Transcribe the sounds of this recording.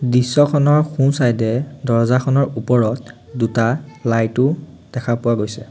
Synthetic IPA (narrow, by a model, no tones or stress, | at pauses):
disːɔkʰɔnɔɹxunsajdɛdɔɹzakʰɔnɔɹupɔɹɔt̚ | dutalajtʊ | d̥ɛkʰapʊwaɡojsɛ̰